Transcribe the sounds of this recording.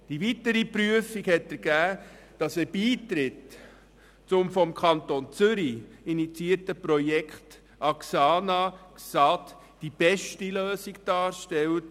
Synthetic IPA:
d̥ivitəɾipɾyəfikhɛtɛɾɡ̥æː | d̥ɑsəbiːtɾɪt | t͡sʊmfɔmkʰɑntont͡sʏɾiinit͡siəɾtəpɾɔjɛkχt | ʔɑksɑːnɑksɑt | d̥ib̥ɛʃtiløːsikd̥ɑːɾʃtɛlt

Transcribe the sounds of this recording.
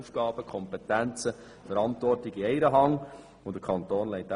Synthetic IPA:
ufɡ̥ɑːb̥əkʰɔmpetænt͡sə | fəɾɑntʋɔrtɪɡiɛɪɾəɦɑŋ | ʊnd̥̪əkʰɑnt̪oːnlɛɪt̚æ

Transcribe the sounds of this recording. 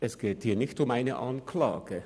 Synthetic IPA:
ʔɛsɡ̥eːthiːɐnɪçtʊmaɪnə̰ʔɑnkʰla̰ːɡ̥ə

